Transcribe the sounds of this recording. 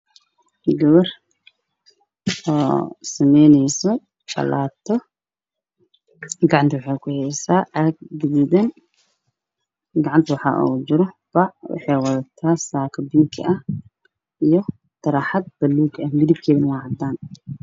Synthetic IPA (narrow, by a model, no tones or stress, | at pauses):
ɡɐβɐr | ɔːsɐmɛjnɛjsɔ | bɐ̰la̰ːt̪ʰɔ | ɡɑʕɑnt̪ʰɐwɑħɛjkʰʊhɛjsaːʕɐɡ̚dʊβuðɐn | ɡɑʕɑnt̪ʰɐwɑħɑ̰ːʔṵːd͡ʒɪɾɔbɐʕwɑ̰ħɛjwɐðɐt̪ʰaːsaːkʰɐbiŋkʰɪ̰ʔɐh | ʔijɔ | t̪ɐɾaħad̪̚b̥ɐlːuːɡɐhmɪðib̚kʰɛːðɪnɐwɑːʕd̪aːn